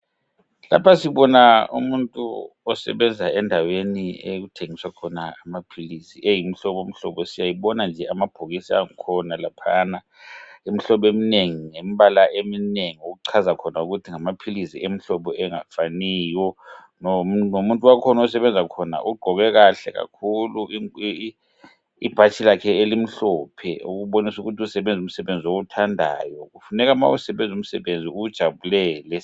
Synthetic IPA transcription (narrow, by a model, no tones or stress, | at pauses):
la̰pʰasiɓɔnaṵmuntʼṵ | ɔsɛ̰ɓɛnd͡zʱaɛndʱaweniḛk̬utʰeŋiswakʰɔnaːmapʰilisiʔejim̩ɬɔɓom̩ɬɔ̰ɓɔsijajiɓɔnand͡ʒʱɛamab̥ʱuɣisia̰ŋikʰɔnalapʰana | im̩ɬɔɓemineŋiŋemiɓalaʔemineŋiuɣ̬uǀʰazakʰɔnauɣutʰiŋamapʰilisiʔem̩ɬɔɓɔɛŋafaniːjɔ | nɔnomuntʼuwakʰɔnɔsɛɓɛnd͡zʱakʰɔna̰ʔuɡ͡ǃ̥ʱɔɣɛk̬aɬɛ̰ka̰kʰulu | ib̥ʱat͡ʃʰilakʰɛelim̩ɬɔːpʰɛ̰uk̬uɓonisukutʰiusɛɓend͡zʱum̩sɛɓend͡zʱiok̬utʰandʱa̰jɔk̬ufunɛk̬ama̰usɛɓend͡zʱum̩sɛɓend͡zʱiud̥ʒ̥ʱaɓulɛlɛ